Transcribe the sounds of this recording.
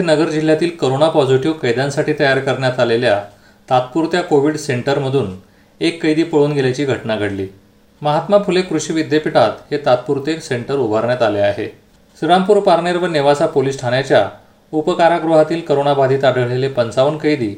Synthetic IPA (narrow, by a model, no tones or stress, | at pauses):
enəɡəɾd͡ʑil̤jat̪iːlkəɾonapɔd͡zuʈiokəjd̪jansaʈiːt̪əjaɾkəɾɳjat̪alelja | t̪at̪̚puɾt̪jakoʋiɽseɳʈəɾməd̪ʱuːn | ekːəjd̪iːpəɭuːnɡʱeljat͡ɕiːɡʱəʈnaɡʱəɽlḭː | məɦat̪mapʰulekɾuɕiːʋid̪jepiʈat̪het̪at̪̚puɾt̪ekseɳʈəɾubʱaɾɳjat̪aleaɦḛ | siɾampuːɾpaɾneɾʋəniʋasapoliːsʈʰaɳjat͡ɕja | upəkaɾakɾuɦat̪iːlkəɾonabʱad̪ʱiːt̪aɖʱəʋɭlelepənt͡saʋənkəjd̪iː